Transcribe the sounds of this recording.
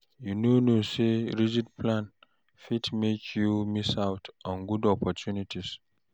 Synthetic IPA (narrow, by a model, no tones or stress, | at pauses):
junonoseɹid͡ʒid̚pʰlãn | fitmekʰjumisawtɔ̃nɡudɔpɔtjunitis